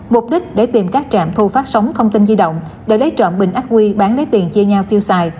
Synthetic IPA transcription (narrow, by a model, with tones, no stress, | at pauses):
mʊ˨˩k͡p̚ɗi˦˥k̟̚ɗe˧˩t̪i˨˩mkaː˦˥k̚t͡ɕa̰ː˧˨mt̪ʰu˧faː˦˥t̚sə˨˦wŋ͡mt̪ʰə˧wŋ͡mt̪i˧nzi˧ɗə̰˧˨wŋ͡mɗe˧˩lə˨˦jt͡ɕə̰˧˨nɓï˨˩ŋ̟ʔa˦˥k̚ʔwi˧ɓaː˨˦nlə˨˦jt̪i˨˩ənt͡ɕi˧əɲaː˧wt̪i˧əwsaː˧j